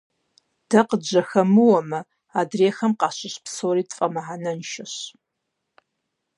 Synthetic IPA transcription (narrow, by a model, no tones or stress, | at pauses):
d̥ɐqəd͡ʒɐxɐmɨwɐmɐ | aːdreːxɐmqɑːɕɪɕpsoːɾiːtfʼɐmɐʕanɐnʃɐɕ